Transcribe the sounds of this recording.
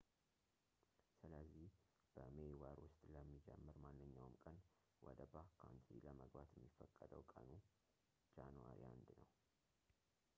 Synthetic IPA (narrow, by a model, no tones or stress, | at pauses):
sɨləzːih | b̥əmewaɾwʊst̪ʼləmːid͡ʒɛmːɨɾmanːɨɲːawɨmkʼən | wʔɔd̪əbakʰant̪ʰiləməɡbat̪jɛmːifːəkʼːəd̪əwkʼənu | d͡ʒanwa̰ɾia̰nd̪nəw